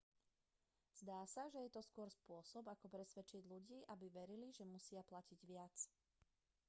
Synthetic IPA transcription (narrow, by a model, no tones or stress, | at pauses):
z̥d̪aːsaʒɛjɛt̪ɔskʊɔɾspʊɔsɔbakɔpɾɛsʋɛt͡ʃiɟʎuɟiːʔabiʋɛɾiliʒɛmusɪaplaciɟʋɪat͡s